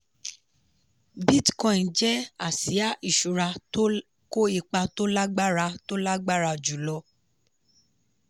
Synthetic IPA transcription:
bi˦tkɔ̃˧˨d͡ʒɛ˦a˦˨si˨˦a˦i˦˨ʃu˨ɾa˧˦ | ko˦i˧k͡pa˧to˦la˦ɡ͡ba˦ɾa˧to˦la˦ɡ͡ba˦˨ɾa˧˨d͡ʒu˨lɔ˧˦

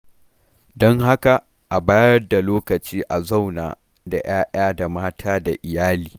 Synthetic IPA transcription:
dɔ˦ŋha˦ka˨ | ʔa˨baː˦jɐ˦rda˨loː˦kɐ˨t͡ʃiː˦ʔa˨za˦˨wna̰ː˨ | da̰˨j̰ʔaː˦ʔaː˦da˨maː˦tʰaː˦da˨ʔɪ˨jaː˦liː˨

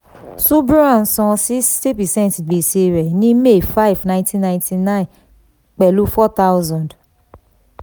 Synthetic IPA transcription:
su˦bu˦ã˦˨n̩˨sɔ̃˨˧si˦ste˦pɛ˨sɛ̃˦ntɡ͡be˨se˧ɾɛ˨nĩ˦me˦˨fa˦i˨vnã˦j̃ntĩ˦nã˧j̃tʰi˧nã˦ĩ˨ | k͡pɛ˨lu˨˦fɔ˦t̪a˦wzɔ̃˨nd

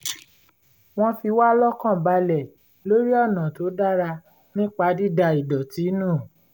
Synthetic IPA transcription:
w̃ɔ̃˦fi˧wa˦lɔ˦kã˦˨ba˧lɛ˨ | lo˦ɾi˦ɔ˦˨nã˨to˨˦da˦ɾa˧ | nĩ˦k͡pa˧di˦da˧i˨dɔ˨ti˨˦nũː˦˨

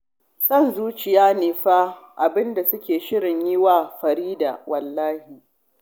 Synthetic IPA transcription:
sɐ˦˨nzuː˦t͡ʃɪ˨jaː˦neː˨ɸaː˦ʔa˨bɪ˦nda˨sʊ˦kʲeː˨ʃɪ˦ɽɪ˨ɲjɪ˦waː˦˨ɸɐ˨ɾiː˦da̰˨wɐ˨lːaː˦hi˨

